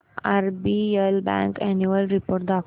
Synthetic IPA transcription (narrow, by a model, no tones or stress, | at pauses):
aɾbielbɛ̰̃ŋkɛnuəlɾipoːɾʈ̚d̪ak